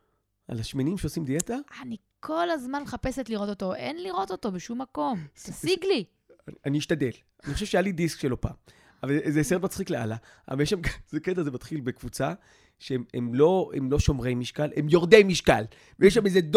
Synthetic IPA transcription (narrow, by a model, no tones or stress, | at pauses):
ʔa̰laʃmenimʃeosimd̪ijet̪aani | kʰo̞lazmanχapesetliʁo̞t̪o̞t̪o̞ʔḛnliʁo̞t̪o̞t̪o̞beʃumːako̞msiɡli | aniːʃt̪ad̪el | anixoʃevʃeajalid̪iskʃelo̞pa̰ːm | avalzeset̪mat͡sχiklea̰la | a̰valjeʃ̬amɡzeket̪ezemat̪χilbekvut͡sa | ʃeememlo̞ḛmlo̞ʃo̞mʁemiʃkalʔemjoʁd̪emiʃkal | vejeʃ̬amezed